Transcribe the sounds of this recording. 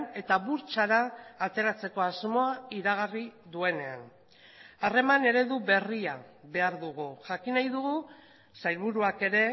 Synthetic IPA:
ne̞t̪aβuɾt͡ʃaɾaːt̪e̞ɾat͡se̞ko̞azmo̞aiɾaɣariðue̞ne̞a̰n | are̞mane̞ɾe̞ðuβe̞riaβe̞aɾðuɣ̞uʝakinajðuɣu | sajlβuɾuake̞ɾe̞

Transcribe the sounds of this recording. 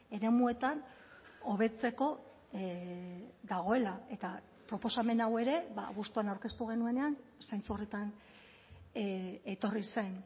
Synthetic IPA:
e̞ɾe̞mue̞t̪an | o̞βe̞t͡se̞ko̞ | d̪aɣ̞o̞e̞lae̞t̪a | pɾo̞po̞same̞nawe̞ɾe̞βa̰ɣ̞ust̪uanawɾke̞st̪uɣ̞e̞nue̞ne̞ansajnt͡suret̪an | et̪o̞risejn

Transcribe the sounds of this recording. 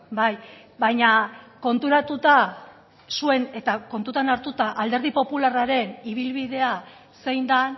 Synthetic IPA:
baj | bajɲako̞nt̪uɾat̪ut̪a | sue̞ne̞t̪ako̞nt̪ut̪anaɾt̪ut̪aʔald̪e̞ɾð̞ipo̞pularaɾe̞niβ̞ilβiðe̞a | se̞jnd̪an

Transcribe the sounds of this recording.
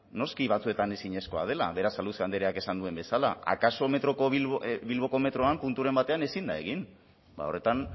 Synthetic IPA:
no̞skiβat͡sue̞t̪ane̞siɲe̞sko̞a̰ð̞e̞laβe̞ɾasaluseand̪eɾeake̞sand̪ue̞mbe̞sala̰a̰kaso̞me̞t̪ɾo̞koβiβilβo̞ko̞me̞t̪ɾo̞ampunt̪uɾe̞mbat̪e̞ane̞sind̪ae̞ɣin | ba̰o̞re̞t̪an

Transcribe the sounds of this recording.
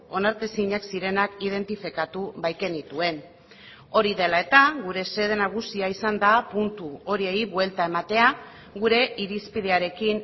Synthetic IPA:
o̞naɾt̪esiɲaksiɾe̞nakið̞e̞nt̪ifikat̪uβajke̞nit̪ue̞n | o̞ɾiðe̞lae̞t̪aɣuɾe̞se̞ð̞e̞naɣ̞usiaisand̪apunt̪uo̞ɾie̞jβwe̞lt̪ae̞mat̪e̞a | ɣuɾe̞ʔiɾispiðe̞aɾe̞kin

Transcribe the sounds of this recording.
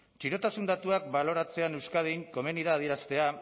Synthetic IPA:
t͡ʃiɾo̞t̪asund̪at̪uakbalo̞ɾat͡se̞ane̞wskað̞iŋko̞me̞niðaːð̞ieɾast̪e̞a

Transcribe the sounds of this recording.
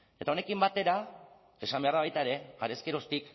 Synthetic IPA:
e̞t̪aone̞kimbat̪e̞ɾa | e̞sambe̞aɾðaβajt̪aeɾe̞a̰ɾe̞skeɾo̞st̪ik

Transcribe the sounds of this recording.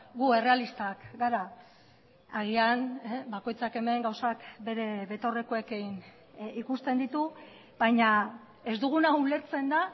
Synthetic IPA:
ɡue̞re̞alist̪akɡaɾa | aɣ̞ianbako̞jt͡sake̞me̞ŋɡawsakbe̞ɾe̞βe̞t̪o̞re̞ko̞e̞kin | ikust̪e̞nd̪it̪u | bajɲa | e̞zd̪uɣ̞unaule̞ɾt͡se̞nd̪a

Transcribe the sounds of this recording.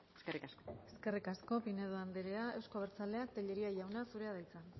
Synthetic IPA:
eskerikaskoe̞ske̞rikasko̞pineðoand̪eɾeae̞wsko̞βeɾt͡sale̞ak̚t̪eʎe̞ɾiaʝawnasuɾe̞að̞ajt͡san

